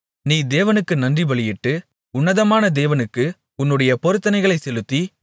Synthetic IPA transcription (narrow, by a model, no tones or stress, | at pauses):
niːd̪eːʋɐnɯkːɯnɐndriʋɐɭɪjɪʈːɯ | ʊnːɐðɐmaːnɐd̪eːʋɐnɯkːɯ | ʊnːɯɽɐjɐpɔɾɯt̪ːɐnɐɪɣɐɭɐɪsɛlɯt̪ːi